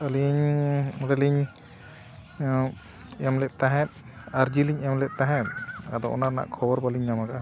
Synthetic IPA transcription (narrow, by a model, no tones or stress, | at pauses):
əliɲɾɛliɲ | ɛmlɛt̪aɦɛt̪̚ | aɾd͡ʒiliɲɛmlɛʔ̚t̪ãɦɛt̪̚a̰d̪ɔʔɔ̰naɾna̰ʔkʰɔbɔɾbaliɲːamaɡaʔa